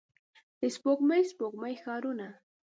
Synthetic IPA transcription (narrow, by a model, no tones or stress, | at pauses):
t̪ɪspokmajspokmajxaɾʊna